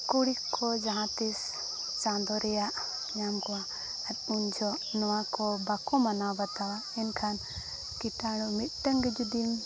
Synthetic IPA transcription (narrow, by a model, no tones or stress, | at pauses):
kuɽikʰːɔd͡ʒaɦãt̪is | t͡ʃãnd̪ɔɾɛjaʔ | ɲamkɔwa | at̪uɲd͡ʒɔnɔwakɔbakɔmanabat̪awa | ɛnkʰan | kiʈaɽ̃umit̪̚ˀʈəŋɡɛd͡ʒud̪im